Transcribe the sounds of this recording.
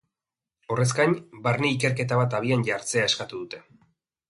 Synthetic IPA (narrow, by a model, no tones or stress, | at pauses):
o̞re̞skaɲbaɾneike̞ɾke̞t̪aβat̪̬aβ̞ianʝaɾt͡se̞ae̞skat̪uðut̪e̞